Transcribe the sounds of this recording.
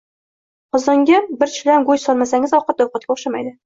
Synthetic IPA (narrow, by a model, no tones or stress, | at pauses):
qɒzɒŋɡʲabɪɾt͡ʃʰɪlanɡojsɒlˠmasaŋɪzɒwqɑt̪̚ːɒwqʰɑt̪̚kʲɒχʃamajd̪ɪ